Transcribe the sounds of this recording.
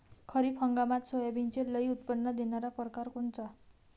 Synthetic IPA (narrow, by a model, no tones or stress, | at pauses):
kʰʌɾipʰʌŋɡamat̪sojabint͡sʰelʌjut̪pʌnːʌd̪inʌɾapɔrkarkunt͡sʌ